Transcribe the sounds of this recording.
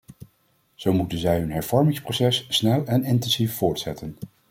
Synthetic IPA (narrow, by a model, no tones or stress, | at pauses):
z̥owmutənzɛjɦɵnɦɛɹv̥ɔɹmɪŋsprowsɛsːnɛlˠɛnɪntɛnsifːʊːɹtsɛ̰tən